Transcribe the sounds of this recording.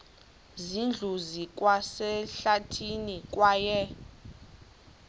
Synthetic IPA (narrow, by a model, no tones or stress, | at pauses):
zind͡ɮʱuzikʼwasɛɬatʰinikʼwaːjɛ